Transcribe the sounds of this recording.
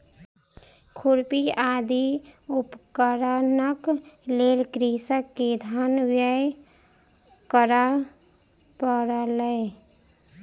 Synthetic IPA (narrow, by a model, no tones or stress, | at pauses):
kʰuɾpiaːd̪iʊpkəɾanəkleːlkɾisəkːed̪ʱaːnʋjəj | kəɾa | pəɾaləe